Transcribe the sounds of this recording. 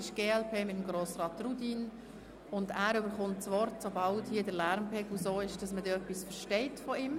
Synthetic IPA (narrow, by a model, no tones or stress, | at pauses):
ɪʃɡ̥eːɛlpʰeːmɪtəmɡɾoːsrɑːtrudin | ʊndæːɾʏbəɾχʊntsʋɔɾtsobɑlthiːədəɾlæɾmpʰɛːɡlusoːɪʃd̥ɑsmədɛːœpːisfəɾʃtɛɪtfɔɪm